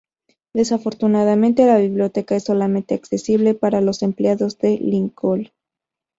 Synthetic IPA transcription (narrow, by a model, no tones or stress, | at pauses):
d̪e̞safo̞ɾt̪unaðamẽ̞nt̪e̞laβiβljo̞t̪e̞kaesːo̞lament̪eakse̞siβle̞paɾalo̞se̞mpleaðo̞zðe̞liŋkol